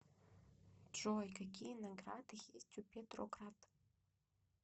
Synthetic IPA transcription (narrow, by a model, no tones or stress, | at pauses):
ʈ͡ʂojkakʲʰinaɡradxʲestʰʲupʲʰetʼro̰krat